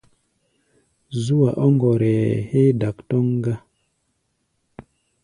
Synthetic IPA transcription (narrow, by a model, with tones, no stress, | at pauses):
zu˦wa˨ʔo˦ŋɡɔ˨ɾe˨he˦da˨ktɔ˦ŋ˦ɡa˦